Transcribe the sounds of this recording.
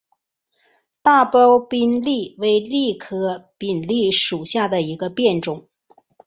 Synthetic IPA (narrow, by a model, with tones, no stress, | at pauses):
t̪a˥˩po˥ʊpi˥nli˥˩we˧˥ɪli˥˩kʰɤ˥pi˨˩nli˥˩ʂu˨˩ɕja˥˩d̪ə˩i˧˥ɡə˧pjɛ˥˩nʈ͡ʂʊ˨˩˦ŋ